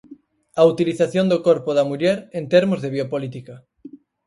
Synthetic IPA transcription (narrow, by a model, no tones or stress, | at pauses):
aut̪iliθaθjõnd̪okoɾpoðamuʎɛɾent̪eɾmozðeβiopolit̪ika